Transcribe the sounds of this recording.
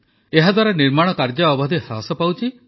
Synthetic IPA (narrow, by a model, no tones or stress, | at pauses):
eɦad̪waɾaniɾmaɽ̃ɔkaɾd͡ʒɔːbɔd̪ʱihɾa̰sɔpawt͡ʃʰi